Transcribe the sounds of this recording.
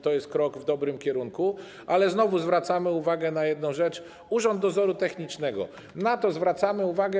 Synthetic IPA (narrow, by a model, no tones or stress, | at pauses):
t̪ɔjɛst̪̚kɾɔɡvd̪ɔbɾɘmkʲɛɾuŋku | ʔalɛznɔvuzvɾat̪samɘuvaɡɛnajɛd̪̚nɔ̃w̃ʐɛt͡ʂ | uʐɔnd̪ːɔzɔɾut̪ɛxɲit͡ʂnɛɡɔ̰ | nat̪ɔzvɾat̪samɘuvaɡɛ